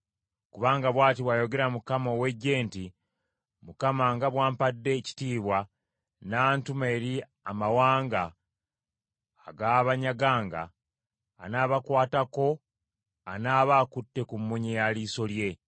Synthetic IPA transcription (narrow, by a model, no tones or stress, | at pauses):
kuβaːŋɡaβwaːtiβwaːjo̞ɡe̞ɾamukamowe̞ɟe̞ːnti | mukamaŋɡaβwaːmpadːe̞ci̥tiːβwa | naːntumeɾi | amawaːŋɡa | ɡaβaɲaɡaːŋɡa̰ː | naːβakwaːtako̞ | anaːβaːkutːe̞kumːuɲejaliːso̞lje̞